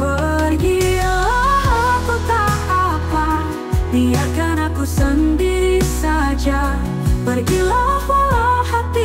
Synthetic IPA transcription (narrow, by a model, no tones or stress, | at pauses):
bəɡilakut̪aʔapa | nijakanakusəndiɾisad͡ʒa | bərɡilawalahat̪i